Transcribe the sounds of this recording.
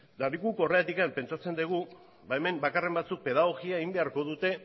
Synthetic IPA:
laɾikuko̞reat̪ikampe̞nt͡sat͡se̞nd̪iɣ̞u | baeme̞mbakare̞mbat͡suk̚pe̞ð̞aɣ̞o̞ɣiaeɣimbe̞aɾko̞ðut̪e̞

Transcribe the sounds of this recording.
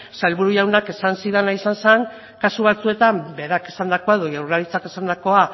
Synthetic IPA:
sajlβuɾuʝawnake̞sansiðenaisanseŋ | kasuβ̞at͡sue̞t̪ambe̞ɾakesand̪ako̞aeðo̞ʝawɾlaɾit͡sakesand̪ako̞a

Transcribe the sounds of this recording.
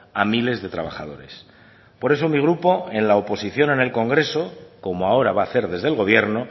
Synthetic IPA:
amile̞zðe̞t̪ɾaβaxa̰ðo̞̰ɾe̞s | po̞ɾe̞so̞miɣ̞ɾupo̞e̞nlaopo̞siθjo̞nene̞lko̞ŋɡɾe̞so̞ko̞moao̞ɾaβaːθe̞ɾðe̞zðe̞lɣo̞β̞je̞ɾno̞

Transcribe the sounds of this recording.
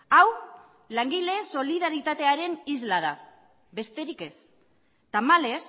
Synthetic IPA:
aw | laŋɡile̞so̞liðaɾit̪at̪e̞aɾe̞nizlað̞a | be̞st̪e̞ɾike̞s | t̪amale̞s

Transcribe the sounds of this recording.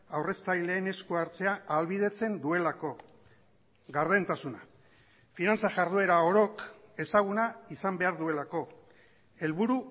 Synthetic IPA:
awre̞st̪ajle̞ːne̞skuaɾt͡se̞aʔːlβið̞e̞t͡se̞nd̪ue̞lako̞ | ɣaɾðe̞nt̪asuna | finant͡saʝaɾð̞ue̞ɾao̞ɾo̞ke̞saɣ̞unaisambe̞aɾðue̞lako̞ | e̞lβuɾu

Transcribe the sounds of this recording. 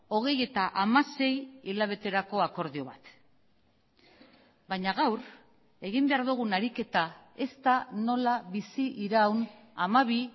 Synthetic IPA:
o̞ɣ̞e̞je̞t̪aʔamase̞jilaβ̞e̞t̪e̞ɾako̞ako̞ɾðio̞β̞a̰t̪ | baɲaɣawɾ | e̞ɣimbe̞aɾðuɣ̞unaɾike̞t̪ae̞st̪ano̞laβisiʔiɾawn | amaβ̞i

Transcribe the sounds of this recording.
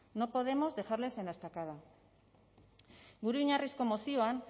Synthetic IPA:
no̞po̞ð̞e̞mo̞zðe̞xaɾle̞se̞nest̪akaða | ɡuɾuiɲarisko̞mosio̞an

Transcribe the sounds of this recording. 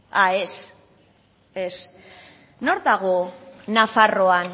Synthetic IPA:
aes | es | no̞ɾðaɣ̞onafaro̞an

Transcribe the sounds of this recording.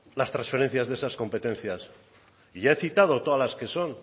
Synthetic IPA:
last̪ɾãnsfe̞ɾe̞n̟θjazðeesasko̞mpe̞t̪e̞nθjas | iʝae̞θit̪að̞o̞t̪oðalaske̞so̞n

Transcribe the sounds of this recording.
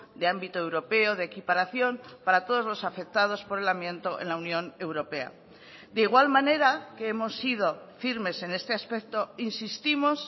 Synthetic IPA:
d̪e̞ambit̪oe̞wɾo̞pe̞oð̞eekipaɾaθjo̞mpaɾat̪o̞ð̞ozlo̞safe̞k̚t̪að̞o̞spo̞ɾe̞lamjẽ̞nt̪o̞ʔe̞̰nlaunjõ̞ne̞wɾo̞pe̞a̰ | d̪eiɣ̞walmane̞ɾakeemo̞sːið̞o̞fiɾme̞se̞ne̞st̪e̞aspe̞k̚t̪o̞insist̪imo̞s

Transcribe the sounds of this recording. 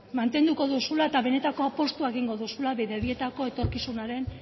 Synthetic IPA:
mant̪e̞nd̪uko̞ðusulae̞t̪aβe̞ne̞t̪ako̞apo̞st̪uaeɣiŋɡo̞ðusulaβiðeβie̞t̪ako̞e̞t̪o̞ɾkisunaɾe̞n

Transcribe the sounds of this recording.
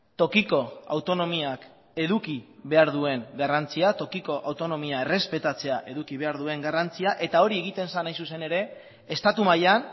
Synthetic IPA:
t̪o̞kiko̞a̰wt̪o̞no̞miak | e̞ðukiβe̞aɾðue̞ŋɡarant͡siat̪o̞kiko̞ʔawt̪o̞no̞miae̞re̞spe̞t̪at͡se̞aʔe̞ðukiβ̞e̞aɾðue̞ŋɡarant͡siaʔe̞t̪ao̞ɾie̞ɣ̞it̪e̞nsanajsuse̞ne̞ɾe̞ː | st̪at̪umajan

